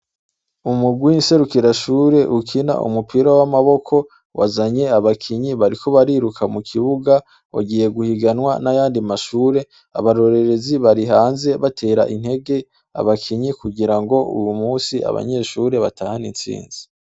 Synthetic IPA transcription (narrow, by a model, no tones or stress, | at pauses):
umuɡwiinse̞ɾukiɾaʃuːɾe̞ʔukʰina̰ʔṵmupʰiɾawamaβo̞kʰo̞ | wʔa̰zaɲe̞aβakʰiɲiβaɾikʰo̞βaɾiɾukamukʰiβuɡa | wa̰ɡiːje̞ɡuhiɡanwa̰najaːndimaʃuːɾe̞ | a̰βaɾo̞ɾe̞ɾe̞ziβaɾiɦaːnze̞βatʰe̞ːɾa̰ʔin̥he̞ɡe̞ | a̰βakʰiɲikuɡiɾaŋɡo̞ʔṵjumuːsia̰βa̰ɲe̞ːʃuːɾe̞βataːhanint͡sḭːnzi̥